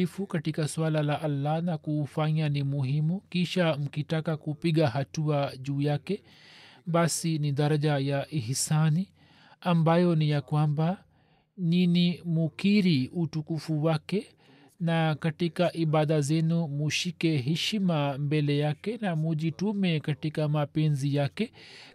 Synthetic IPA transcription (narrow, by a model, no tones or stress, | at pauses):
ifukatikaswalalaʔalːanakuːfaɲanimuɦimukiʃam̩kitakakupiɠaɦatuaʄuːjakɛ | basiniɗaɾaʄajaʔihisani | ambajɔnijakwamba | ninimukiɾiutukufuwakɛ | nakatikaʔiɓaðazɛnumuʃikɛɦɛʃimambɛlɛjakɛnamuʄitumɛkatikamapɛnzijakɛ